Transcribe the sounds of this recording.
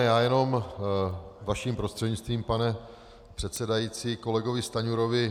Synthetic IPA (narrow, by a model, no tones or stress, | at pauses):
jaːjɛno̞m | vaʃiːmpɾo̞st̪r̥ɛdɲɪt͡st̪viːmpanɛ | pr̥ɛt̪sɛdajit͡siːko̞lɛɡo̞vɪst̪aɲuɾo̞vɪ